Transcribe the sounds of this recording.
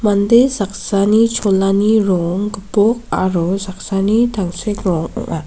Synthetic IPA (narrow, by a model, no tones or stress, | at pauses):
mand̪esaksanit͡ʃʰɔlaniɾɔŋɡbɔkaɾɔsaksanit̪ʰaŋsekɾɔŋa